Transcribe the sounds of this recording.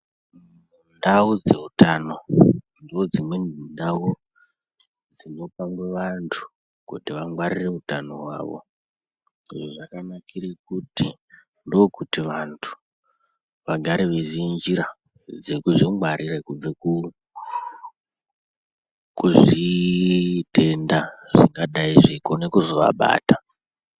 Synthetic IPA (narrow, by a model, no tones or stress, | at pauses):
mundaud͡ze̞utano̞ | ndio̞d͡zimwe̞nundao | d͡zino̞paŋɡwe̞ʋantʰu̥ | kutiʋaŋɡwaɾire̞utanoɦwa̰ːʋo̞̰ | iʐoʐakanakʰirekuti | ndo̞kutiʋantʰu̥ | ʋaɡʱaɾeʋezind͡ʒiɾa | d͡zekuʐiŋɡwaɾiɾekub͡veku | kuʐi | te̞ndaʐiŋɡaɗaiʐikonekuzo̞ʋa̰ɓa̰ːta